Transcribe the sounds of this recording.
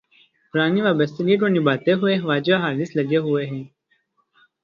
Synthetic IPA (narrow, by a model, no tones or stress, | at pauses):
pʊɾaːniʋaːbəst̪ʰɐɡeːʈ̬oːnibaːt̪eɦueʋaːd͡ʒaɦaːlislɐɡeɦueɦɛ̃ː